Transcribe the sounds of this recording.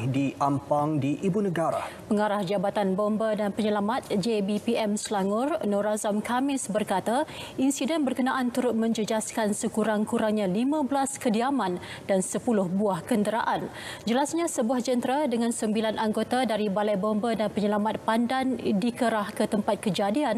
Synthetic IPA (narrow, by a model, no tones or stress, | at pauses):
diʔampaŋdiʔibunəɡaɾa̰pəŋaɾahd͡ʒabat̪anbombədanpəɲəlamat̪̚d͡ʒebipiʔɛmslaŋʊrnɔɾazamkamɪsbərkat̪ainsidɛnbərkənãʔant̪uɾʊt̪̚mə̃ɲd͡ʒəd͡ʒaskansəkuɾaŋkuɾaŋɲãlimãblaskədiamãn | dansəpulʊhbuahkəndəɾaʔan | d͡ʒəlasɲãsəbuahd͡ʒənt̪ɾadəŋãnsəmbilanʔaŋɡot̪adaɾibalajbombədanpəɲəlamat̪̚pandandikəɾahkət̪əmpat̪̚kəd͡ʒadian